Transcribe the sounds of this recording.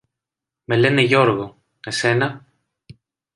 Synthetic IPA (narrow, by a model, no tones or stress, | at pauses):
me̞leneʝo̞ɾɣo | esenɐ